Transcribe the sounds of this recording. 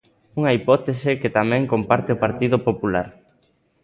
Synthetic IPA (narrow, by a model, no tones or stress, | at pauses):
uŋɐipɔt̪esɪket̪amɛ̃ŋkompaɾt̪ɪopaɾt̪iðʊpopulaɾ